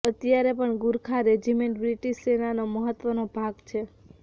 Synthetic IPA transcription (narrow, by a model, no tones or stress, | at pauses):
ət̪jaɾepəɳɡuɾkʰaɾed͡ʒimeɳʈbɾiʈiʃsenanoməɦət̪ːʋənobʱaɡt͡ʃʰe